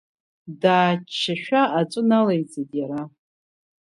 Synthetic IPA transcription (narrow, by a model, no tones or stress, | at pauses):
daːt͡ʃʰːaʃᶣaːt͡ʃʷʼɨnalajt͡sejtʼjaɾa